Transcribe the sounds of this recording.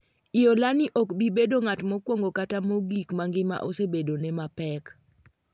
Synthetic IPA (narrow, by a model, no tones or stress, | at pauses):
ɪjolanɪʔokbibedoŋatmɔkwoŋɡokatamoɡikmaŋɡɪma̰ʔosebedonɛmapɛk